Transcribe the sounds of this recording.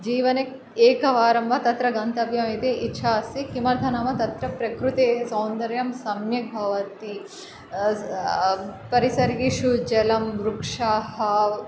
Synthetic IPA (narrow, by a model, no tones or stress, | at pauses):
d͡ʒiːʋɐnek | eːkɐʋaːɾɐmʋɐt̪ɐt̪ɾɐɡɐnt̪ɐbjɐmeːt̪eʔitːʃʰaːsikimɐɾd̪ʱɐnɐmɐt̪ɐt̪ɾɐpɾɐkɾut̪eːsɐwnd̪ɐɾjɐmsɐmjɐk̚bʱɐʋɐt̪i | pɐɾisɐɾɡiʃud͡ʒɐlɐmɾukʂaːhɐ